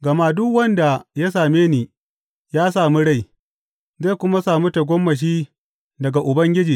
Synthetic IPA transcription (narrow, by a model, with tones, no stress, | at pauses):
ɡɐ˨maː˦dʊ˦kwɐ˦nda˨ja˦s̬aː˨meː˦niː˨ | jaː˦saː˨mu˦ɽa˦˨j | za˦kʷʊ˦ma˦saː˨mu˦ta˨ɡʷɔ˦mːɐ˨ʃ̬iː˦ | dɐ˨ɡa˨ʔʊ˨bɐ˦ŋɡʲɪ˦d͡ʒiː˨